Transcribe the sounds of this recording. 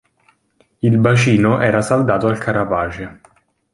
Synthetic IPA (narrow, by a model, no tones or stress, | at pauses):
ilbat͡ʃiːnoʔɛːɾasald̪aːt̪oalkʰaɾavaːt͡ʃe